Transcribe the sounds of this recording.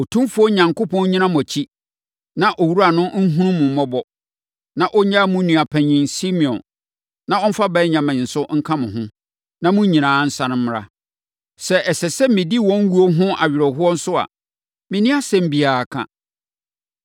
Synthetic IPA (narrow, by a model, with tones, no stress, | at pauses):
o˨tʰũ˦mfʊ˦ɲã˨ŋko˦pʰɔ̃˦ɲĩ˦nã˦m˨ɔ̃˨t͡ɕʰi˦ | nã˨ʔɔ˨wu˦ɾa˨nʊ̃˦ŋ̩˦ɦũ˦ɾũ˦mʊ̃˨m̩˦mɔ˦bɔ˦ | nã˨ʔɔ˦ɲã˦mũ˦nũ˨a˨pʰɛ̃˨ɲɪ̃˨nsi˦mĩ˨ɔ̰̃˨n | nã˦ɔ˦m̩˦fa˦bɛ˦ɲã˨mɪ̃˨n̩˨sʊ˦ŋ̩˦kʰã˦mʊ̃˨ɦʊ̃˦ | nã˦mʊ̃˦ɲĩ˨nãː˨˦n̩˦sã˦nʊ̃˦m̩˦m˦ɾa̰˦ | sɛ˦ʔɛ˨sɛ˨sɛ˦mɪ̃˨di˦˨wɔ̃˦ŋ˦wu˦o˦ɦʊ̃˦ʔa̰˨ɥɪ˨ɾɔ˨ɦʊ˦ɔ˦n̩˦sʊ˦a̰˨ | mɪ̃˨nĩ˦a˦sɛ̃˦m̩˦bi˨aː˨a˨kʰã̰˨